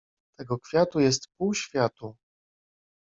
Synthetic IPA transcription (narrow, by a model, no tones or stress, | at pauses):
t̪ɛɡɔkfʲjat̪ujɛst̪puwɕfʲjat̪u